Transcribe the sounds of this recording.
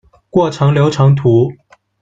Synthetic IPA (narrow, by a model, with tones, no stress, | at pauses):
kwɔ˥˩ʈ͡ʂʰɤ˧˥ŋljo˧˥ʊʈ͡ʂʰɑ˧˥ŋt̪ʰu˧˥